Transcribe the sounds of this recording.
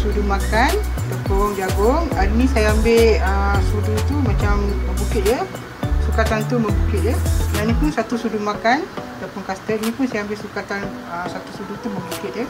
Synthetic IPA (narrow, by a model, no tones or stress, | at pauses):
sudumakanat̪apʊŋd͡ʒaɡʊŋaɾinĩsajaːmbeʔəsudut̪umat͡ʃaməbukɪt̪̚jə | sukat̪ant̪uməbukɪt̪̚jənanĩpunsat̪usudumakanat̪apʊnkast̪əʔinĩpʊnsajambɪʔsukat̪an | əsat̪usudut̪uməbukɪt̪̚jə